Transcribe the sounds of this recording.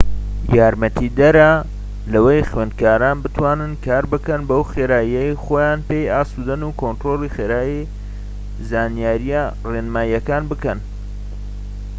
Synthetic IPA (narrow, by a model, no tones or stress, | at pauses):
jaːɾmɐt̪ʰid̪ɐɾɐ | lɐwejxɥend̪̚kaːɾaːnbɨt̪ʰwaːnɨnkʰaːɾbɨkɐnbɐwxeɾaːjijɐjxoːjaːnpejaːsud̪ɐnuːkʰont̪ɾoːlˠixeːɾaːji | zaːnjaːɾija | renmaːjɐkaːnbɨkɐn